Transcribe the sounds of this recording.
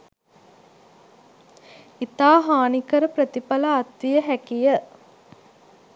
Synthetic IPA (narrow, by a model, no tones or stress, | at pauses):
it̪aːɦaːnikəɾəpɾət̪ipɐlɐːt̪ʋijəɦækijə